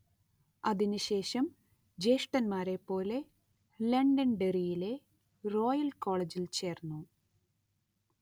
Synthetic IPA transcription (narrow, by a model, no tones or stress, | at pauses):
ɐðinuɕe̞ːɕɐm | d͡ʑejʂʈɐnmaːɾe̞pːo̞ːle̞ | leɳɖɐnɖerijile̞ | ro̞ːjɐlko̞ːɭed͡ʑilt͡ɕe̞ːrnːu